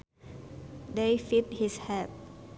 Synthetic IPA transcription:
defit̚hishɛt̚

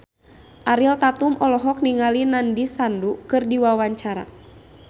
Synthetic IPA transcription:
ʔaɾilt̪at̪umʔɔlɔɦɔk̚niŋalinandisandukɨrdiwawaɲt͡ʃaɾa̰

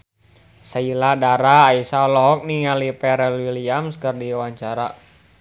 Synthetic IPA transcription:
sailadaɾaːisaɔlɔɦɔk̚niŋalipɛɾɛlwiliamskərdiwaɲt͡ʃaɾa

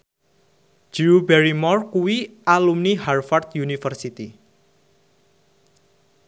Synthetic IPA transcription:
d͡ʒ̥iubɛɾimɔrkuwiʔalumniharfart̪junifərsit̪i

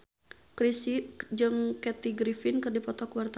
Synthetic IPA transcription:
kɾisid͡ʒɨŋkɛt̪iɡɾifɪnkɨrdipɔt̪ɔkwart̪a

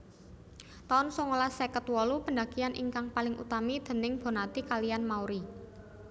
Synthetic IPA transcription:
t̪aʊnsɔŋolasɛkət̪wɔlupənda̤ɡianʔḭŋkaŋpalɪŋʔṵt̪amid̪̥ə̤nɪŋb̥o̤nat̪ikalijanmauɾi

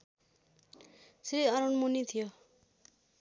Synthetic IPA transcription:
sɾiʌɾʌnmunit̪ʰijo

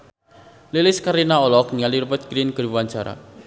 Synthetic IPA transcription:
lilɪskaɾinaɔlɔk̚niŋaliɾupət̪̚ɡ̥ɾinɡəɾwaɲt͡ʃaɾa̰

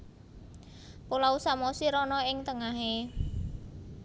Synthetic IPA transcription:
polausamosiɾɔnɔɪŋt̪əŋaɦe

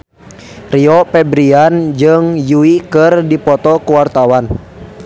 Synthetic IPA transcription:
riɔpɛbɾiand͡ʒɨŋjuikɨrdipɔt̪ɔkuwart̪awan

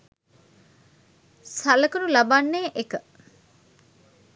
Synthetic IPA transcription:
sɐlɐkunulɐbanːeːʔekə

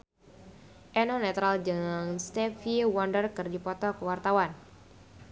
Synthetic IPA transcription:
ʔɛnɔnɛt̪ɾald͡ʒəŋanst̪ɛfiwɔndərkərdipɔt̪ɔkəwart̪awan

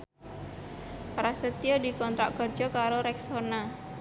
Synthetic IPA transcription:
pɾasət̪iɔdi̤kɔnt̪ɾaʔɡ̥ɔrd͡ʒɔkaɾoɾɛksona

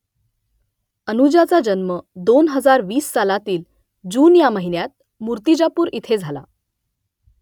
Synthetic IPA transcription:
ənud͡ʑat͡sad͡ʑənməd̪onɦəd͡zaɾʋiːsːalat̪iːl | d͡ʑuːnjaməɦinjat̪̚ | muɾt̪id͡ʑapuːɾit̪ʰed͡zʱala̰

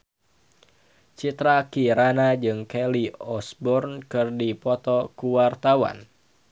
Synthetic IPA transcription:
t͡ʃit̪ɾakiɾanad͡ʒɨŋkɛliɔsbɔrnkɨrdipɔt̪ɔkuwart̪awa̰n

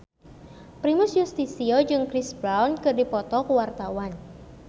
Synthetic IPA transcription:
pɾimʊsjust̪isiod͡ʒɨŋkɾisbɾawnkɨrdipɔt̪ɔkəwart̪awan

